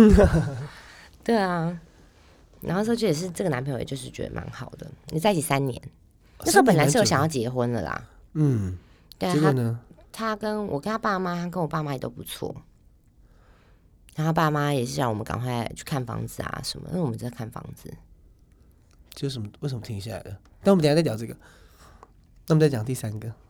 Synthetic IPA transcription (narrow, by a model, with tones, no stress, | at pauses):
t̪we˥˩ɪa˩ | na̰˨˧˥xo˥˧n̩˥˧˥t͡ɕʰwjɛ˨˩ʂɻ̩˥˧ʈ͡ʂɤ˥˩ɡə˩na˧˦npʰjjɛ̰˨jo˥˧ʊʂɻ̩˥˩t͡ɕɥɛ̰˧˦˥d̪ə̰˧mʔa̰˧˥nxɑ˨˩ʊd̪ə̰˦ni˨˩t͡sa˥˩ɪ˥t͡ɕ̪i˨˩sa˦nnjɛ̰˧˦n | n˥˩ʂ̩˧˥pə˨˩la˨˦˥ʂ̩˥˩o˥ɕɑ˨jɑ˥˩ʊt͡ɕjɛ˧˥˦xwə˦nlə̰˨lɐ̰˨˩˥ | t̪e˥˧˥a˥ət̪ʰa˦˥kə˦nwʔɔ̰˨˩kə˦nt̪ʰa˥pa˥˩ma˥t̪ʰa˥k̬ə˦nwɔ˨˩pa˥˩ma˥jt̪o̰˥ʊpu˧˦t͡sʰwɔ̰˥˩ | ɻo˥˩pa˥˩ma˦jɛ˨˩ʂɻ̩˥˩ɕjɑ˥˩ŋwɔ˨˩mə˦nkɑ̰˨˩ŋkʰwa˥˩ɪɪt͡ɕʰy˥˧kʰa˥˩nfɑ̰˧˥ŋd͡zɹ̩˨a̰˨˩ʂə˧˦nmə̰˦a˥˧wɔ˨ə˦ʈ͡ʂə˥ə˧˩kʰa˥˩nfɑ̰˥ŋd͡zɹ̩˨ | t͡ɕsʂə˧˩mə˦wʂə˧˦mə˩t̪ʰi˥ŋi˧ɕja˥˩la̰˨˧˦ɪd̪ə˦˩t̪a˥˩wɔ˨m̃ʰ˨˦˨t͡ɕɑ˨˩ʈ͡ʂɤ˥˩ɡə˨ | na˥˩˨t͡sa˥˩t͡ɕɑ˨ŋt̪i˥˩sa˦nɡə˨